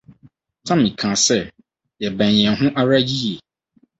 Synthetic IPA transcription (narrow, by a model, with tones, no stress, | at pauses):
tʰã˦mĩ˨kʰã˨sɛ˦˨ | jɛ˨bæ̃˨njɛ̃˨nɦʊ̃˦ʔa˦ɾa˦ji˦je˨